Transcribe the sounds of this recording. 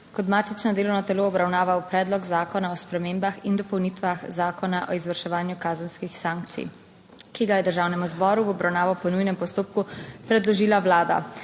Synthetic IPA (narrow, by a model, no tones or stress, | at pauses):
kɔt̪maːt̪it͡ʃnɔd̪eːlɔwnɔt̪ɛloɔbɾawnaːʋawpɾɛːd̪lɔɡzaːkɔnaɔspɾɛmeːmbaxind̪ɔpɔwnit̪ʋaxzaːkɔnaʔɔizʋəɾʃɛʋaːnjukaːzənskixsaːŋk̚t̪sḭ | kiɡajɛd̪əɾʒaːwnɛmuzbɔːɾuwɔbɾawnaːʋɔwpɔnujnɛmpɔst̪oːp̚kupɾɛd̪lɔʒiːlawlaːd̪a̰